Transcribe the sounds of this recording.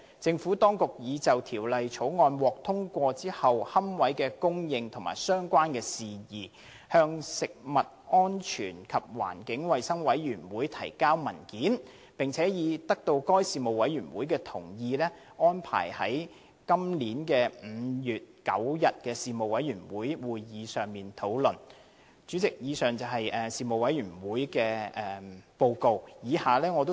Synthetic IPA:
t͡sɪ˧ŋfuː˨˥t̪ɔː˥ŋkʊ˨k̚jiː˨˧t͡sɐ˨wt̪ʰiː˨˩wlɐ˨jt͡ʃʰo˨˥wŋɔː˧nwɔː˨k̚t̪ʰʊ˥ŋkʷɔː˧t͡siː˥hɐ˨whɐ˥mwɐ˨˥jkɛː˧kʊ˥ŋjɪ˨ŋt̪ʰʊ˨˩ŋma̰ː˨˩jsœː˥ŋkʷaː˥nkɛː˧siː˨jiː˨ | hœː˧ŋsɪ˨k̚mɐ˨t̚ɔː˥nt͡ʃʰyː˨˩nkʰɐ˨p̚wa̰ː˨˩nkɪ˨˥ŋwɐ˨jsɐ˥ŋwɐ˨˥jɥyː˨˩nwuː˨˥jt̪ʰɐ˨˩jkaː˥wmɐ˨˩nkiː˨˥n | pɪ˨˩ŋt͡sʰɛː˨˥jiː˨˧t̪ɐ˥k̚t̪o˧wkɔː˥jsiː˨mo˨wwɐ˨˥jɥyː˨˩nwuː˨˥jkɛː˧t̪ʰʊ̰˨˩ŋjiː˧lɛ˥ | ɔː˥npʰa̰ː˨˩jhɐ̰˨˥j | kɐ˥mliː˨˥nkɛː˧m̩˨˧˦jyː˨t̚kɐ̰˨˥wjɐ˨t̚kɛː˧siː˨mo˨wɐ˨˥jɥyː˨˩nwuː˨˥jwuː˨˧jːiː˨˧sœː˨ŋmiː˨nt̪ʰo˨˥wlɵ˨˩n | t͡ʃyː˨˥t͡sɪ˨k̚jiː˨˧sœː˨˩ŋt͡sɐ˨˩wɦɐ˨jʔɛː˨siː˨˧mo˨wɐ˨˥jyː˨˩nwuː˨˥jkɛː˧ɛː˨˧po˧wko˨˧wjiː˨˧haː˨lɛː˥ŋɔː˨˧t̪o˥

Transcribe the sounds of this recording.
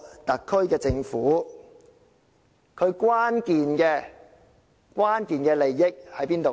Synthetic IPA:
t̪ɐ˨kʰːɵ˥ɥkɛː˧t͡sɪ˧ŋfuː˨˥ | kʰɵ˨˧ɥkwaː˥nkiː˨nkɛː˧ | kwaː˥nkiː˨˧nkɛː˧le˨˩jːɪ˥k̚hɐ˨˥jpiː˥nt̪o˨

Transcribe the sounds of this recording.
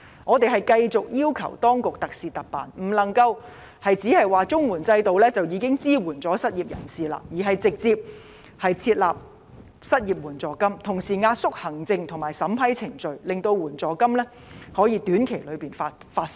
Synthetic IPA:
ŋʔɔː˨˧t̪e˨jɦɐ˨jkɐ˧jt͡sʊ˨k̚jiː˥wkʰɐ̰˨˩wt̪ɔː˥ŋkʊ˨k̚t̪ɐ˨k̚siː˨t̪ɐ˨k̚pa̰ː˨nm̩˨˩lɐ˨˩ŋkɐ˧w | hɐ˨jt͡siː˨˥hɐ˨jwaː˨t͡sʊ˥ŋwuː˨˩nt͡sɐ˧jt̪o˨wlɛː˥t͡sɐ˨wjiː˨˧kɪ˥ŋt͡siː˥wuː˨˩nt͡sɔː˨˥sɐ˥t̚jiː˨˩p̚jɐ̰˨˩nsiː˨la̰˧jiː˨˩ɦɐ˨jt͡sɪ˨k̚t͡siː˧p̚ | hɐ˨jt͡sʰiː˧t̚la̰ː˨p̚ | sɐ˥t̚jiː˨p̚wuː˨˩nt͡sɔː˨kɐ˥mt̪ʰʊ˨˩ŋsiː˨˩ŋaː˧t̚sʊ˥k̚hɐ˨˩ŋt͡sɪ˧ŋt̪ʰʊ˨˩ŋmaː˨jsɐ˨˥mpʰɐ˥jt͡sʰɪ˨˩ŋt͡ʃɵ˨ɥlɪ˨ŋt̪o˧wwuː˨˩nt͡sɔː˨˩kɐ˥mlɛː˥ | hɔː˨˥jiː˧t̪yː˨˥nkʰe˨˩jlɵ˨˧ɥpiː˨nfa˧ | faː˧t̚

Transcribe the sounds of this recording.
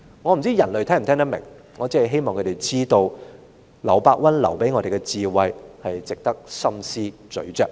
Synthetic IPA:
ŋɔː˨˧m̩˨˩t͡siː˥jɐ˨˩nlɵ˨˧ɥt̪ʰɛː˥m̩˨˩t̪ʰɛː˥ŋt̪ɐ˥mɪ̰˨˩ŋ | ŋɔː˨˧t͡si˥ɐ˨jɦe˥jmɔː˨ŋkʰɵ˨˧˥t̪e˨˩jt͡siː˥t̪o˧w | lɐ˨˩wpaː˧k̚wɐ˥nlɐ̰˨˩wpe˨˥jŋɔː˧ɾe˨jɡɛ˧t͡siː˧wɐ˨˧jhɐ˨jt͡sɪ˨k̚t̪ɐ˥k̚sɐ˥msiː˥t͡ʃɵ̰˨˥t͡ʃœː˧k̚

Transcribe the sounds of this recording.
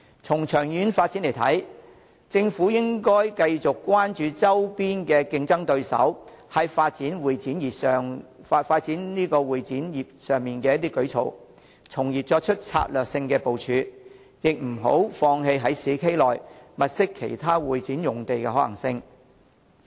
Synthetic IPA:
t͡sʰʊ˨˩ŋt͡ʃʰœː˨˩ŋjyː˨˥nfaː˧t̚t͡si˨˥nle˨˩jt̪ʰɐ̰˨˥j | t͡sɪ˧ŋfuː˨˥jɪ˥ŋkɔː˥jkɐ˧jt͡sʊ˨kːwaː˥nt͡ʃyː˧t͡sɐ˥wpiː˥nkɛː˧kɪ˧ŋt͡sɐ˥ŋt̪ɵ˧ɥsɐ̰˨˥w | hɐ˨jfaː˧t̚t͡siː˨˥nwuː˨jt͡siː˨˥njiː˨psœː˨ŋ˧faː˧t̚t͡siː˨˥nniː˥kɔː˧wuː˨jt͡siː˨˥njiː˨˩p̚sœː˨ŋmiː˨nkɛː˧jɐ˥t̪̬iː˥kɵ˨˥ɥt͡sʰo̰˨w | t͡sʰʊ˨˩ŋjiː˨t̚t͡sɔː˧k̚t͡ʃʰɵ˥t̚t͡sʰa̰ː˧t̚lœː˨k̚sɪ˧ŋkɛː˧po˨wt͡ʃʰyː˨˧ | jɪ˨k̚m̩˨˩ɦo̰˨˥wfɔː˧ŋɦe˧jɦɐ˨˥jsiː˨˥kʰe˥jlɔː˨˩jmɐ˨t̚sɪ˥kʰːḛ˨˩jt̪ʰaː˥wuː˨jt͡siː˨˥njʊ˨˩ŋt̪e˨jkɛː˧ɦɔː˨˥lɐ̰˨˩ŋsɪ˧ŋ

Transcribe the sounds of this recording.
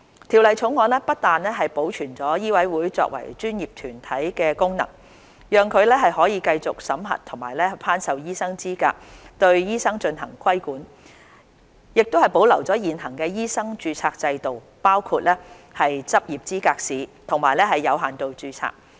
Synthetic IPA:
t̪ʰiː˨˩wlɐ˨jt͡sʰʊ˨˥ŋɔː˨˧nlɛː˥pɐ˥t̚t̪aː˨nlɛː˥ɦɐ˨jpo˨˥wt͡ʃʰyː˨˩nt͡sɔː˨˥jiː˥wɐ˨˥jwuː˨˥jt͡sɔ̰ː˧k̚wɐ̰˨˩jt͡ʃyː˥njiː˨˩p̚t̪ʰyː˨˩nt̪ʰɐ˨˥jkɛː˧kʊ˥ŋnɐ̰˨˩ŋ | jœː˨ŋkʰɵ˨˧ɥlɛː˥ɦɐ˨jɦɔː˨˥jiː˨˧kɐ˧jt͡sʊ˨k̚sɐ˨˥mɦɐ̰˨t̚t̪ʰʊ˨˩ŋmaː˨˩jlɛː˥pʰaː˥nsɐ˨wjiː˥sɐ˥ŋt͡siː˥ka̰ː˧k̚t̪ɵ˧ɥjiː˥sɐ˥ŋt͡ʃɵ˧nɦɐ̰˨˩ŋkʰwɐ˥jkuː˨˥n | jɪ˨k̚t̪o˥whɐ˨jpo˨˥wlɐ˨˩wt͡sɔː˨˥jiː˨˩nɦɐ˨˩ŋkɛː˧jiː˥sɐ˥ŋt͡ʃyː˧t͡sʰaː˧k̚t͡sɐ˧jt̪o˨w | paː˥wkʰuː˧t̚lɛː˥ | hɐ˨jt͡sɐ˥p̚jiː˨p̚t͡siː˥kaː˧k̚siː˨˧t̪ʰʊ˨˩ŋmaː˨˩jlɛː˥ɦɐ˨jːɐ˨˧wɦaː˨˩nt̪o˧wt͡ʃyː˧t͡sʰa̰ː˧k̚

